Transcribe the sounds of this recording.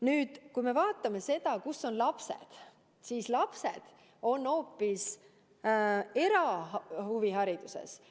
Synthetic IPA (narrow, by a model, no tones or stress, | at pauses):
nyːd̪̥kujme̞vɑːt̪ːˑɑme̞se̞d̪̥ɑkusːo̞nlɑpse̞̰d̪̥ | siːslɑpse̞̰d̪̥ | o̞nːo̞ːpːis | e̞ɾɑhuviɦɑɾid̪̥usḛs